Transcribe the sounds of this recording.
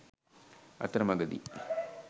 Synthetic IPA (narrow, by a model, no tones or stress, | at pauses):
ɐ̰t̪ːɾɐmɐɡɐðḭ